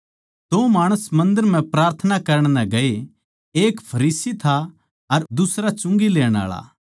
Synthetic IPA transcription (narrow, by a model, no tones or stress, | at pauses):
t̪omaːɽ̃əsmɐ̃nd̪əɾm̤ɛ̃pɾaːɾt̪ʰənakɐɾəɽ̃nɛ̃ɡɐe | eːkpʰɐɾiːsit̪ʰa | ɐɾd̪ʊsɾat͡ʃʊ̃ŋɡileːɽ̃a̰ːɭa̰